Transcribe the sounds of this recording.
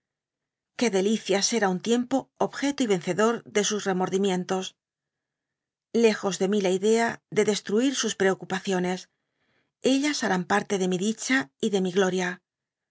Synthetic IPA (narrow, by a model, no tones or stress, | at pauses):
ke̞ðe̞liθjase̞ɾaunt̪je̞mpo̞oβxe̞t̪oiβ̞e̞nθe̞ðo̞ɾðe̞susre̞mo̞ɾðimje̞nt̪o̞s | le̞xo̞zðe̞milaiðe̞aðe̞ðe̞st̪ɾuiɾsuspɾe̞okupaθjo̞ne̞s | e̞ʎasaɾampaɾt̪e̞ðe̞miðit͡ʃaiðe̞miɣlo̞ɾja